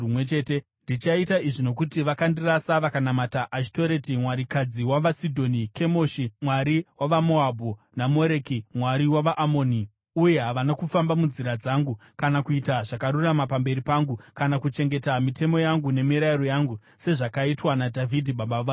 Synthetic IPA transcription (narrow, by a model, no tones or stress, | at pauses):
umwet͡ʃe̞te̞ | ndit͡ʃaitaiʐino̞k̬utiʋakandirasaʋakanamataʔaʃito̞ɾetimwaɾikad͡ziwaʋasidʱo̞nike̞mo̞ʃimwaɾiwaʋamo̞abʱo | namo̞ɾe̞kimwaɾiwaʋaʔamo̞ːni | uje̞ɦaʋanakufambamund͡ziɾad͡zaŋɡukanakuitaʐakaɾuramapambe̞ɾipaŋɡukanakut͡ʃe̞ŋɡe̞tamite̞mo̞jaŋɡune̞miɾaiɾo̞jaŋɡu | se̞ʐakaitwanadʱavidʱiɓaɓaʋa